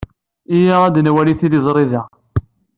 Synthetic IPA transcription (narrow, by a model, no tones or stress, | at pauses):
ijaæd̪nwæliθiðizˤɾˤiðæ